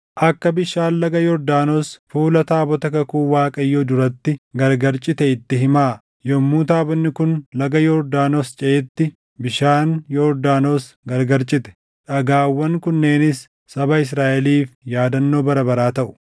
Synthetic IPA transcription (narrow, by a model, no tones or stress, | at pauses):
ʔɐkːɐbɪʃaːnlɐɡɐjɔɾd̪aːnoːsfuːlɐt̪aːbɔt̪ɐkɐkuːwaːkʼɐjːoːd̪ʊɾɐt̪ːɪɡɐɾɡɐɾt͡ʃʼɪt̪ɛɪt̪ːɪɦɪmaː | jɔmːuːt̪aːbɔnːɪkʊnlɐɡɐjɔɾd̪aːnoːst͡ʃʼɛʔɛt̪ːɪ | bɪʃaːnjɔɾd̪aːno̞ːsɡɐɾɡɐɾt͡ʃʼɪt̪ɛ̥ | ᶑɐɡaːwːɐŋkʊnːe̞ːnɪsː | ɐbɐɪs̬ɾaːʔɛliːfjaːd̪ɐnːo̞ːbɐɾɐbɐɾaːt̪ɐʔʊ̥